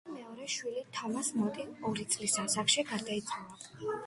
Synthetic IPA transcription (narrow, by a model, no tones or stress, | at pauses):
mɛɔɾɛʃwilit̪ʰɔmasmɔt̪ʼiɔɾit̪sʼlisasaχʃiɡaɾd̪aid̪sʼɛba